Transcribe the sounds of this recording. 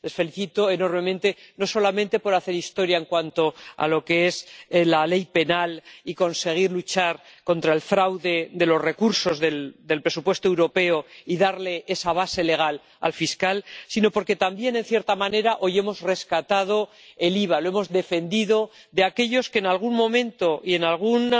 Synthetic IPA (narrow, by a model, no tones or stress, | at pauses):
le̞sfe̞liθit̪o̞eno̞ɾme̞mẽ̞nt̪e̞no̞so̞lamẽnt̪e̞po̞ɾaθe̞ɾist̪o̞ɾjaeŋkwant̪o̞a̰lo̞ke̞e̞slale̞jpe̞naliko̞nse̞ɣ̞iɾlut͡ʃaɾko̞nt̪ɾae̞lfɾawðe̞de̞lo̞sre̞kuɾso̞zðe̞ld̪e̞lpɾe̞supwe̞st̪oe̞wɾo̞pe̞oiðaɾle̞ʔe̞saβ̞ase̞le̞ɣ̞al | a̰lfiskalsino̞po̞ɾke̞t̪ambje̞ne̞n̟θje̞ɾt̪amãne̞ɾaʔo̞je̞mo̞zre̞skat̪að̞o̞ | e̞liβ̞alo̞e̞mo̞zðe̞fe̞nd̪iðo̞ | ðe̞ake̞ʎo̞skenalɣ̞unmõ̞mẽ̞nt̪o̞ʔie̞nalɣ̞un